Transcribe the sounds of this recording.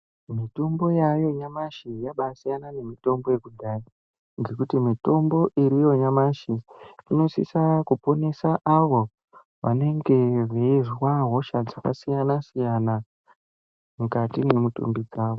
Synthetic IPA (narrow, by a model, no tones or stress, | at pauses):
mitombo̞jajo̞ɲamaʃijaɓasijanane̞mito̞mbo̞je̞kudʱaːi | ŋɡe̞kutimito̞mbo̞ʔiɾijo̞ɲamaʃiino̞sḭsakupo̞ne̞saʔaʋo̞ | ʋa̰ne̞ŋɡe̞riirwaɦo̞ʃad͡zaka̰sijanasijana | mukatimemutṵmbid͡zaːʋo